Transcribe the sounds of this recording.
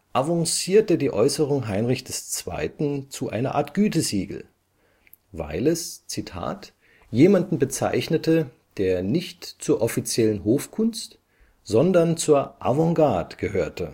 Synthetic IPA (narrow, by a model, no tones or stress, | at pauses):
ʔavɔ̃ŋsiːɐtədiːʔɔʏsəʁʊŋɦaɪnʁɪçd̥ɛst͡sv̥a̰ɪtn̩t͡suʔa̰ɪnɐʔa̰ːɐtɡ̥yːtəziːɡl̩ | va̰ɪlɛst͡sitʰa̰ːt | jeːmandn̩bət͡sa̰ɪçnətə | d̥eːɐnɪçtt͡suːɐʔɔfit͡sjɛlənɦoːfkʰʊnst | z̥ɔndɐnt͡suːɐʔa̰vɔ̃ŋɡaɐtɡ̥əhøːɐtə